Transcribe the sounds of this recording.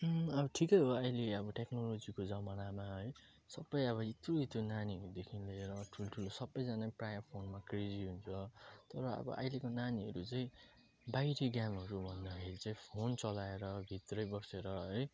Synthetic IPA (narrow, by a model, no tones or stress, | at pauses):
ʌbʌʈʰikʌjɦoʌjleʌbʌʈeknolod͡zikod͡zʌmʌnamaɦʌj | sʌbːʌjʌβʌit̪roit̪onaniɦʌɾud̪ekʰinlieɾʌʈʰuloʈʰulosʌbːʌjd͡zanaprajʌmpʰonmakrid͡ziɦunt͡sʰʌt̪ʌɾʌʌ̰bʌ̰ʔʌ̰jlekonaniɦʌɾut͡saĩ | bajɾiɡjamɦʌɾubʱʌnd̪akʰeɾit͡saĩpʰont͡sʌlaeɾʌbʱit̪rʌjbʌseɾʌɦʌj